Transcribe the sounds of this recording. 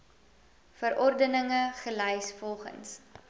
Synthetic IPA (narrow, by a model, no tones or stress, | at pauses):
fəɾʔɔrdənəŋəχəlɛjsfɔlˠχə̰ns